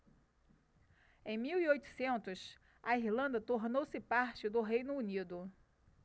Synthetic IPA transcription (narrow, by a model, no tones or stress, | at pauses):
ẽj̃miwiojt̪ʊ̥sẽnt̪ʊs | ɐihlɐ̃nd̪ɐt̪oɾnowsɪpaɾt͡ʃɪd̪ʊɦejnʊunid̪ʊ